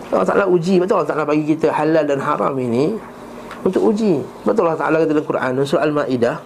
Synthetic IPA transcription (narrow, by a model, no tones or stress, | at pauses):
alɑ̰ht̪a̰ʔalaud͡ʒibat̪ualːɔht̪aʔlabaɡikit̪əhalaldanhaɾa̰mini | unt̪ʊkud͡ʒi | baʔt̪ualːɑht̪a̰ʔalakat̪əlakuɾʔa̰nns̬uɾaʔalmaʔidah